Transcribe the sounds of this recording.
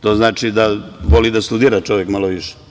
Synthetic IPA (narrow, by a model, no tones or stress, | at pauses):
t̪o̞ːznaːt͡ʃid̪aʋolid̪ast̪ud̪iːɾat͡ʃoʋjekmaloʋiʃe̥